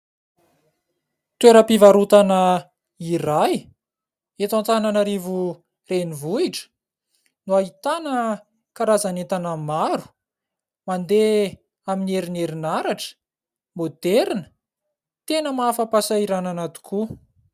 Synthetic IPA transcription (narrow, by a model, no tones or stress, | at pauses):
t̪weɾəpivaɾut̪anə | iɾaj | et̪ãnt͡sananaɾivu | renivuiʈ͡ʂə̥ | nuaɦit̪anə | kaɾazanet̪anamaɾu̥ | mand̪e | aminieɾineɾinaɾaʈ͡ʂə̥ | mod̪eɾinə̥ | t̪enəmaafəpasaiɾananat̪u̥kʰu